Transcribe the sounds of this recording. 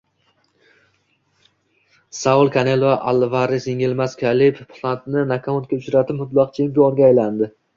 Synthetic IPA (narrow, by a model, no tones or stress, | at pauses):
saʊlˠkʰanelˠoʔalˠvaɾeseŋʲɪlmaskʲʰalɪppʰlˠant̪nɪnakʰamun̚kʲaʊt͡ʃɾat̪ʰɪpmʊb̪lˠɑqt͡ʃʰempʲionɡʲajland̪ɪ